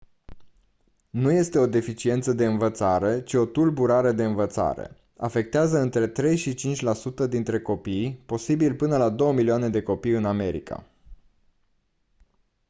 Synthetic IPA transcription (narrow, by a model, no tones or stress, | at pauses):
nuje̞st̪e̞o̞d̪e̞fit͡ʃie̞nt̪səd̪e̞ɨnvət̪saɾe̞t͡ʃio̞t̪ulbuɾaɾe̞d̪e̞ɨnvət̪sa̰ɾḛ | a̰fe̞k̚t̪eazəɨnt̪ɾe̞t̪ɾe̞jʃit͡ʃint͡ʃʲlasut̪əd̪in̪t̪ɾe̞ko̞pijpo̞sibilpɨnəlad̪o̞wəmilioane̞d̪e̞ko̞pijɨname̞ɾḭkʰa̰